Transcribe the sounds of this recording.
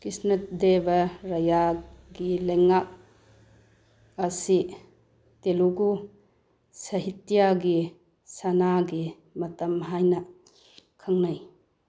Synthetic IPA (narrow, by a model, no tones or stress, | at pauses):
kisnɐt̚debɐɾɐjaɡileŋak̚ | ɐsi | teluɡu | sɐɦitjaɡi | sanaɡi | mɐtɐmɦajnɐ | kʰaŋnaj